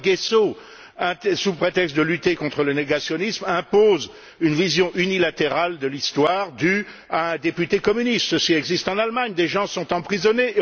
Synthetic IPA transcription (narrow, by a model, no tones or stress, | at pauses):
ɡeso | ɛ̃t̪supχet̪ɛkst̪̚d̪əlyt̪ekɔ̃t̪χələneɡasjɔnismɛ̃poz | ynvizjɔ̃ʔynilat̪eʁald̪əlist̪waːʁd̪y | aɛ̃d̪epyt̪ekɔmynist̪səsiɛɡzist̪ɑ̃nalmaɲd̪eʒɑ̃sɔ̃t̪ɑ̃pχizɔne